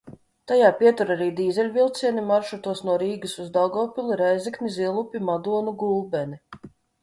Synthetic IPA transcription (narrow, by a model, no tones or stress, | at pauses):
t̪ajaːpʲiɛt̪uɾaɾiːd̪iːzɛlʲvʲilˠt̪siɛnimaɾʃɔt̪uɔsnuɔɾiːɡɨsuzd̪awɡɔːpʲilˠiɾajzikniziɛlˠupʲimad̪uɔnuɡulˠbʲɛni